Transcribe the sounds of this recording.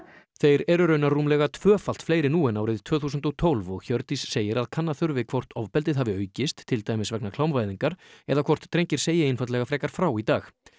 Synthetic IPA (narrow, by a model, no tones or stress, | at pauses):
θejɾɛɾʏɾœːɥnaɾruːmlɛɣat̪ʰv̥œːfal̥t̪flejɾɪnuːɛnaːwɾɪðt̪ʰvœːθuːs̬ʏnt̪ɔɣt̪ʰowlvɔɣçœɾt̪isːeːjɪɾaðkʰanːaθʏɾvɪkʰv̥ɔr̥t̪ʰɔvpɛlt̪ɪðɦaːvɪœːɥcɪst̪ʰːɪlt̪aːjmɪsvɛknakʰlawmvajðiŋkaɾ̥ɛðakʰvɔr̥t̪ːʰɾejɲcɪɾ̥seːjɪɪnfat̪lɛɣafɾɛːkaɾ̥fɾawit̪aːx